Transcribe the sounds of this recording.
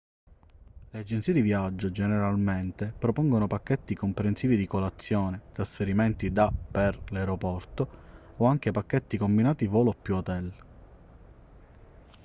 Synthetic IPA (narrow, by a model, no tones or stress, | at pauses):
lead͡ʒent̪siːed̪ivjad͡ʒːod͡ʒeneɾalment̪epɾopɔŋɡonopakːet̪ːikompɾensiːvid̪ikolat̪sːjoːnet̪ɾasfeɾiment̪id̪apːerlawɾopɔrt̪o | oaŋk̟epakːet̪ːikombinaːt̪ivoːlopːjuot̪ɛl